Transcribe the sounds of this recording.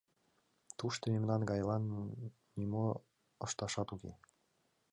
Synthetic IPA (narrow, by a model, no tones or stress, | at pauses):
t̪uʃt̪ɤ̆memnɑnɡɑjlɑnː | imo | ə̆ʃt̪ɑʃɑt̪ukḛ